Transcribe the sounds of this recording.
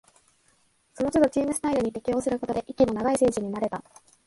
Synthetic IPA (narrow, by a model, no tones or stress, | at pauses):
so̞no̞t͡ɕod̪o̞t͡ɕiːmɯ̟sɨ̥t̪aiɾɯ̟ɲ̟it̪e̞kʲijo̞ːsɨɾɯ̟ko̞t̪o̞d̪e̞ʔikʲino̞naɡaise̞ːʑiɲ̟inaɾe̞t̪a